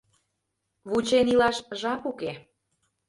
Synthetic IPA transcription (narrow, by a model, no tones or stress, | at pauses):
βut͡ɕenilɑʃʒɑpuke